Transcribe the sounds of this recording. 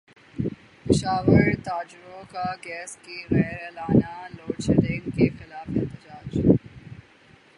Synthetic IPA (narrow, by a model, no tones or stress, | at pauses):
pɪʃaːʋəɾt̪aːd͡ʒɾõkaɡɛːskeɾɛɾɛlaːnaloːɽʃeɖɪ̃ŋkexɪlaːfɪ̰t̪ɪd͡ʒaːd͡ʒ